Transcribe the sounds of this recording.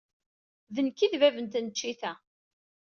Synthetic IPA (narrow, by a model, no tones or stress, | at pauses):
ðənkːiðvævənt̪nət͡ʃːiθæ